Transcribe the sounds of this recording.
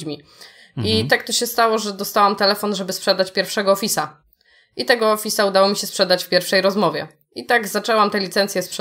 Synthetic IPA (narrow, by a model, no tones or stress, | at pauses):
d͡ʑmʲi | it̪ɛk̚t̪ɔɕɛst̪awɔʐɛd̪ɔst̪awamt̪ɛlɛfɔnʐɛbɘspʂɛd̪at͡ɕpʲjɛɾfʂɛɡɔːfʲisa | ʔit̪ɛɡɔːfʲisaud̪awɔmʲiɕɛspʂɛd̪at͡ɕfpʲjɛɾfʂɛjɾɔzmɔvʲjɛ̰ | it̪aɡzat͡ʂɛwamt̪ɛlʲit̪sɛnt̪sʲjɛspʂ